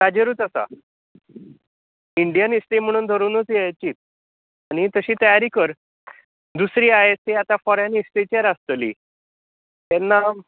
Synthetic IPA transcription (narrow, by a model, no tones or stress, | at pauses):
t̪ad͡ʑəɾuːt̪asa̰ | iɳɖijanist̪em̤əɽ̃uːnd̪ʱəɾuːnɦot̪iːajt͡ɕiːt̪̚ | aɽ̃it̪əɕiːt̪əjaɾikəɾ | d̪usɾiːaɦet̪ːeat̪afɔɾenist̪et͡ɕaɾast̪əlḭː | t̪ɛnːa